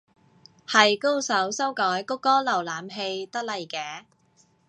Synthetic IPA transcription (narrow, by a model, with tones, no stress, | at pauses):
hɐ˨jko˥wsɐ˨˥wsɐ˥wkɔː˨˥jkʊ˥kːɔː˥lɐ˨˩wlaː˨˥mɦe˧jt̪ɐ˥k̚lɐ˨jkɛː˨˧˥